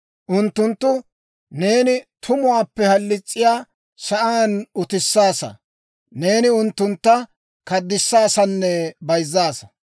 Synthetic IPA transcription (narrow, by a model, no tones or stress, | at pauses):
ʔʊnt̪ːʊnt̪ːʊ | ne̞ːnɪt̪ʰʊmʊaːpːɛhɐlːɪt͡sʼːɪjaː | ʃɐʔaːnʊt̪ɪsːaːsɐ̰ | ne̞ːnɪʊnt̪ːʊnt̪ːɐ | kɐd̪ːɪsːaːsɐnːɛbɐjzːaːsɐ̥